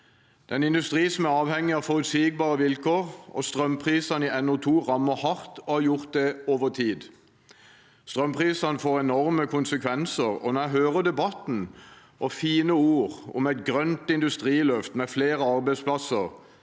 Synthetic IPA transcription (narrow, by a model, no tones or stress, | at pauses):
d̪̥ɛnɪnd̪ʉst̪ʁiːsɔmæɾɑːʋhɛŋːɪɑfɔʁʉt̪siːɡ̚bɑːʁəʋɪlkʰoːʁɔ̰st̪ʁœmpʰʁiːsɑniɛnʊt̪ʰuːʁɑmːəhɑʁt̪ɔhɑjʊʁt̪̚d̪ɛoːʋəʁt̪ʰiːd̪ | st̪ʁœmpʰʁiːsɑnəfoːʁɛnɔʁməkʰʊnsəkʰʋɛnsəʁɔ̰næɦøːʁəd̪ɛbɑt̪n̩ | ʔɔfiːnəuːʁʊ̰mɛɪt̪̚ɡʁœnt̪ɪnd̪ʉst̪ʁiːlœft̪mɛfleːɾəɑʁbæɪspʰlɑsəʁ